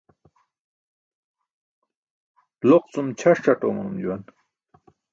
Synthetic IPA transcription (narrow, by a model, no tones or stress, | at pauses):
loq̚t͡sumt͡ɕʰaʂʈ͡ʂaʈomunumd͡ʑuwan